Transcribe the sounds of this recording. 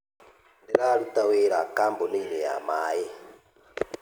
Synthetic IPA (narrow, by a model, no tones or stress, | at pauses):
ndɛɾalut̪aweɾakambɔniinɛja̰maːjɛ